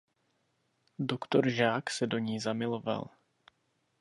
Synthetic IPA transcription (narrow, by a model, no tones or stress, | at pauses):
dokt̪oɾʒaːksɛdo̞ɲiːzamɪlo̞va̰l